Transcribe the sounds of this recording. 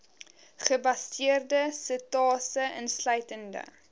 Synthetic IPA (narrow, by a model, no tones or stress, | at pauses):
χəbɐstiərdəsətɑːsəənslœɥtəndə̰